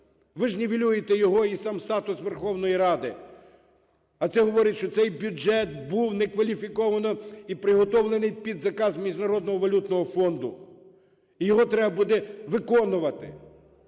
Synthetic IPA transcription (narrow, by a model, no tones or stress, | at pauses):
ʋɪʒnʲeʋʲilʲujet̪ɛjɔɦɔisɑmst̪ɑt̪ʊsʋerxɔwnɔjiɾɑd̪ɪ | ɐt̪sɛɦɔʋɔɾʲɪtʲʃt͡ʃɔt̪sɛjbʲʊd͡ʒɛt̪̚buwnɛkʋɐlʲifʲikɔʋɐnɔipɾɪɦɔt̪ɔwlˠenɪjpʲid̪zɐkɑzmʲiʒnɐɾɔd̪nɔɦɔʋɐlʲut̪nɔɦɔfɔnd̪ʊ | ijɔɦɔt̪ɾɛbɐbud̪ɛʋɪkɔnʊʋɐt̪ɪ̰